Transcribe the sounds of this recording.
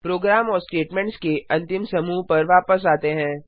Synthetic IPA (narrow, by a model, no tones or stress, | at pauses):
pɾoːɡɾaːmɔːɾsʈeːʈmɛ̃ːɳʈskeɐ̃nt̪ɪmsɐmuːpɐɾʋaːpəsaːt̪eɦɛ̃ː